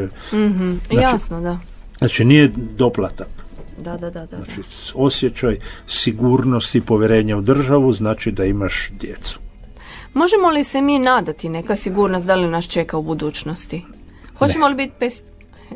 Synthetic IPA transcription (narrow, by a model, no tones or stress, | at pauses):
m̩ɦ̩jjasnod̪a | nat͡ʃinijed̪o̞plˠat̪akd̪ad̪ad̪ad̪anat͡ʃi | o̞sjet͡ʃajsiɡuːɾnost̪ipo̞ʋjeɾe̞ːɲaud̪r̩ʒaʋuznaːt͡ʃid̪aimaʃd̪jet̪su̥ | mo̞ʒemo̞lisemiːnaːd̪at̪ine̞kasiɡuɾnost̪d̪alinaʃt͡ʃe̞kaubud̪uːt͡ɕno̞st̪ixot͡ɕemolibit̪pes